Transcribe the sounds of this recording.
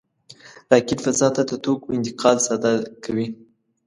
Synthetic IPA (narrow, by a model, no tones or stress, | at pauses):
ɾɑkɪt̪fazɑt̪ad̪ət̪okoɪnt̪ɪqʰɑlsad̪ɑkʰawi